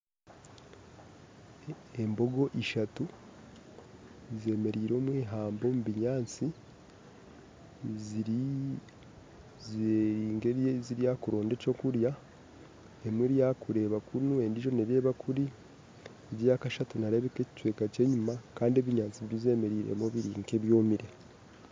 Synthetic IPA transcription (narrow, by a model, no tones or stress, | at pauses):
embo̞ɡo̞ʔiʃatu | ze̞ːme̞ɾiːɾo̞ːmwiːɦaːmbo̞muβiɲaːnt͡si | zeɾiːŋɡeziɾijakuɾo̞ːnde̞co̞kuɾja | emwiɾijakuɾe̞ːβakunue̞ndiʒo̞neɾe̞ːβakʰuɾi | eɟijakaʃatunaɾe̞βekeci̥cwe̞ːkace̞ːɲumakaːndie̞βiɲaːnt͡siβɾize̞ːme̞ɾiːɾḛmo̞βiɾiːŋke̞βjo̞ːmiɾe